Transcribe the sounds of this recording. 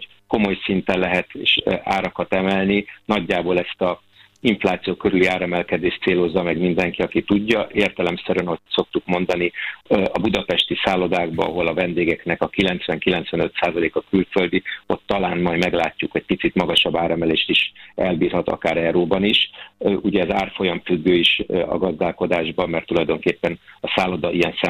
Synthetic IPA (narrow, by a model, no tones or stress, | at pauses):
h | ko̞mo̞jsint̪ɛnlɛɦɛt̪eːʃa̰ːɾɒkɒt̪ɛmɛlninɒɟːaːboːlɛst̪ɒ | iɱflaːt̪sijoːkøɾyliaːɾɛmɛlkɛd̪eːʃt̪seːlo̞zːɒmɛɡmind̪ɛŋkiɒkit̪uɟːɒʔeːrt̪ɛlɛmsɛɾønocso̞k̚t̪ukmo̞nd̪ɒniɒbud̪ɒpɛʃt̪isaːlo̞d̪aːɡbɒ̰ɒ̰ɦo̞lɒvɛnd̪eːɡɛknɛkɒkilɛnt̪sʋɛŋkilɛnt̪sʋɛnø̞t̪saːzɒleːkɒkylfø̞ld̪io̞t̪ːɒlaːnmɒjmɛɡlaːcːukɛc̚pit̪sit̪mɒɡɒʃɒbːaːɾɛmɛleːʃt̪iʃɛlbiːrhɒt̪ɒ̰kaːɾɛɾoːbɒniʃuɟɛːzaːrfo̞jɒɱfyɡːøːiʃɒ̰ɡɒzd̪aːlko̞d̪aːʒbɒmmːɛrt̪ːulɒjd̪o̞ŋkeːpːɛnɒsaːlo̞d̪ɒʔijɛnsɛ